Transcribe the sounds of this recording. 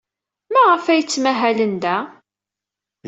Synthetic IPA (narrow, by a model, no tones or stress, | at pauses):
mæʁəfæjət͡sːmæɦælənd̪æ